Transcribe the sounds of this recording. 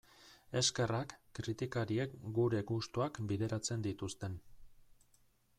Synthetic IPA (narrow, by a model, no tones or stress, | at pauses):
e̞ske̞rakːɾit̪ikaɾie̞kɡuɾe̞ɡust̪uakbiðe̞ɾat͡se̞nd̪it̪ust̪e̞n